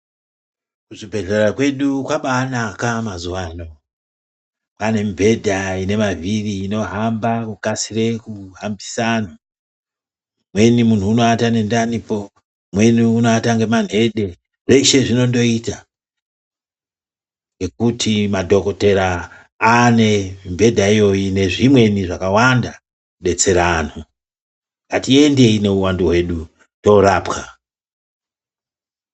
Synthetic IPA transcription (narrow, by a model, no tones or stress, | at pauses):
kuʐibʱe̞ɮeɾakwe̞ɗukwaɓaːnakamazuwano | kane̞mbʱe̞dʱaine̞maviriːno̞ɦambakukasire̞kuɦambisano | mwe̞nimun̤uːno̞atane̞ndanipo̞ | mwe̞niuno̞ataŋɡe̞man̤e̞ɗe̞ | ʐe̞iʃe̞ʐino̞ndo̞ita | ŋɡe̞kutʰimadʱo̞ko̞te̞ɾaː | ne̞imbe̞dʱaijo̞jine̞ʐimwe̞niʐakawanda | ɗe̞t͡se̞ɾan̤o | katie̞nde̞ine̞uwanduɦwe̞ɗu | to̞ɾaːpka